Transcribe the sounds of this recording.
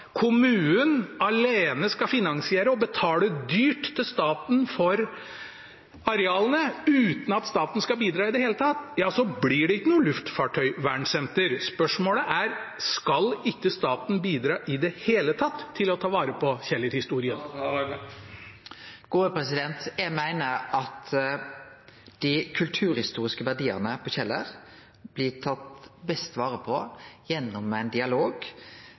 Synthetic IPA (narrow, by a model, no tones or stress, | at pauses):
kʰʊmʉːənɑleːnəskɑfɪnɑŋsɪeːɾəɔbət̪ʰɑːləd̪yːʈt̪ʰːɪlst̪ɑːt̪nfɔɾ | ɑɾɛɑːlənəʉːt̪n̩ɑt̪st̪ɑːt̪n̩skɑbiːd̪ɾɑːɪd̪ɛheːlət̪ʰɑt̪ːjɑːsɔblɪɖɛɪkːənuːəlʉft̪fɑːʈʰœʏʋæːɳsɛnt̪əɾspœʂmoːləʔæɾskɑlɪkːəst̪ɑːt̪n̩biːd̪ɾɑːʔɪd̪ɛheːlət̪ʰɑt̪ʰːɪlɔt̪ʰɑːʋɑːɾəpʰɔçɛlːəɾhɪst̪uːɾɪən | ɡ̥oːəpɾɛsɪd̪ɛnt̪jæmæɪnəɾʔɑt̪ | d̪̥ɪkʰʉlt̪ʰʉːɾhɪst̪uːʁɪskəʋæʁɖ̪iːə̰ʁnəpʰɔçɛlːəʁ | b̥lɪt̪ʰɑt̪bɛst̪ʋɑːʁəpʰɔjɛnːʊmːæɪnd̪ɪɑloːɡ